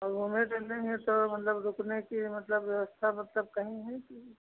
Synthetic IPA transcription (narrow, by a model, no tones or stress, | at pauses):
ɔːɾɦumẽʈeleɦɛ̃t̪omɐt̪ləbɾʊknekimɐt̪ləbʋjɐʋəst̪ʰamɐt̪ləb̚kɐɦĩɦɛki